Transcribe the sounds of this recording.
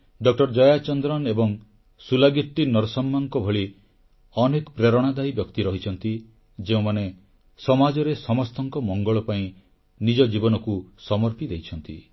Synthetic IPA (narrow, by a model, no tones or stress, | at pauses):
ɖɔk̚ʈɔɾd͡ʒɔjat͡ʃɔnd̪ɾɔnebɔŋ | sulaɡiʈːinɔɾsɔmːaŋkɔbʱɔɭi | ɔnekɔpɾeɾɔɽ̃ad̪ajbjɔkt̪iɾɔɦit͡ʃʰɔnt̪i | d͡ʒeũmane | sɔmad͡ʒɔɾesɔmɔst̪ɔŋkɔmɔŋɡɔɭɔpaĩ | nid͡ʒɔd͡ʒibɔnɔkusɔmɔɾpid̪ejt͡ʃʰɔnt̪ḭ